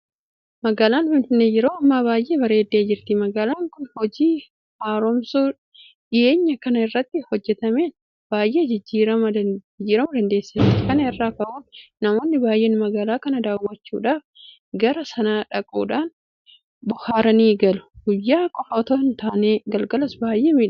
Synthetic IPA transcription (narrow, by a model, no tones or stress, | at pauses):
mɐɡaːlaːnfɪnfɪnːeːjɪɾoːɐmːaːbaːjʔe̞ːbɐɾe̞ːd̪ːeːd͡ʒɪɾt̪ɪmɐɡaːlaːŋkʊnhɔd͡ʒiː | haːɾɔmsuː | ᶑɪʔe̞ːɲːɐkɐnɐɪrːɐt̪ːɪhɔd͡ʒːɛt̪ɐme̞ːn | b̥aːjʔe̞ːd͡ʒɪd͡ʒːiːɾɐmɐd͡ʒɪd͡ʒːiːɾɐmɐd̪ɐnd̪e̞ːsːɐɪt̪ɪkɐnɐɪrːaːkɐʔuːnnːɐmo̞ːnːɪbaːjʔeːnmɐɡaːlaːkɐnɐd̪aːwːɐt͡ʃːuːᶑaːf | ɡɐɾɐsɐnaːᶑɐkʼṵːᶑaːn | bʊhaːɾɐniːɡɐlʊ̥ɡ̥ʊjːaːkʼɔfɐːt̪oːnt̪aːneːɡɐlɡɐlɐsbaːjːʔeːmiːᶑ